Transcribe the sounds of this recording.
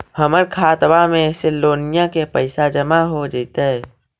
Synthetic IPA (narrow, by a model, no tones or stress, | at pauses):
həməɾkʰaːt̪bamẽseloːnijãkepəɪsad͡ʒəmaɦod͡ʒət̪eɛ